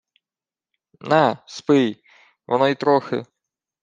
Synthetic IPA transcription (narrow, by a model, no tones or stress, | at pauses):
nɛspɪj | ʋɔnɔit̪ɾɔxɪ̰